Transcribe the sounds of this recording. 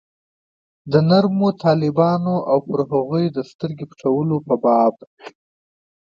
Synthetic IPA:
d̪ənaɾmot̪ʰɑlɪbɑnoʔawpəɾɦaɣujd̪əst̪əɾɡepʈ͡ʂawəlopəbɑb̚

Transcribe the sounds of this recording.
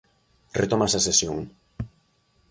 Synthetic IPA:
ret̪omasasesjoŋ

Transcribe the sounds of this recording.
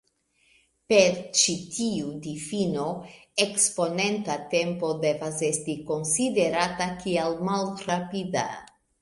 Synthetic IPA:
pe̞ɾt͡ʃitʰiudifino̞ekspo̞ne̞ntate̞mpo̞de̞vase̞stiko̞nside̞ɾatakialmalɾapida̰

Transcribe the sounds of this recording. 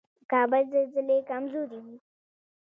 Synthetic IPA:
kɑːbəlzəlzɪlekamzoːɾiwi

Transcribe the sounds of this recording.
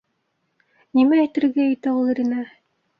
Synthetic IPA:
nimæːjt̪ɘ̆ɾɡæɘ̆t̪æulˠɘ̆ɾinæ

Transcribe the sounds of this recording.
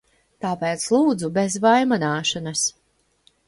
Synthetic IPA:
t̪aːpɛːt̪slˠuːd̪zubezvajmanaːʃɔnas

